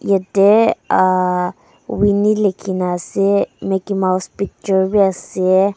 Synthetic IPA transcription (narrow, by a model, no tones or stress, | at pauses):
jɛt̪ea | winilekʰinasemekimawspik̚t͡ʃəɾbiase